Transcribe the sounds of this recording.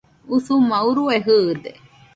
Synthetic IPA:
usumauɾueɦɯd̪e

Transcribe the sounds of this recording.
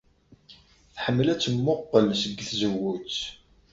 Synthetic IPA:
θħəmːəlæt͡sːəmːʊqːəlsəɡːθzəwut͡sː

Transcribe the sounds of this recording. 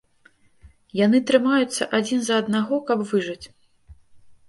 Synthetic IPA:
janɨt̪ɾɨmajut̪sːɐʔad͡zʲinzɐːd̪naɣɔkɐbvɨʐɐt͡sʲ

